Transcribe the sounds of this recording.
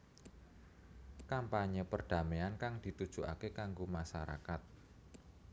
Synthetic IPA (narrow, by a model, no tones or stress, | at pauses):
kampaɲəpərd̥a̤meankaŋd̪̥i̤t̪ud̥ʒ̥ṳʔa̰kekaŋɡomaʃaɾa̰kat̪̚